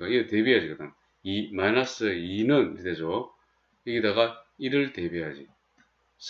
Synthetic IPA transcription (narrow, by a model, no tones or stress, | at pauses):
aiɯte̞biɦad͡ʑikɯd̪am | imajnas͈ɯinɯnit̪ed͡ʑo | iɡidaɣaiɾɯɭt̪e̞biɦad͡ʑi | s